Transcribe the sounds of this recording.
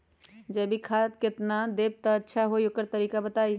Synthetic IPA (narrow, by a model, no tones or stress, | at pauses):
d͡ʒebʱikʰat̪ket̪nad̪eb̚t̪əətːʃʰaɦojokəɾt̪əɾikabət̪aj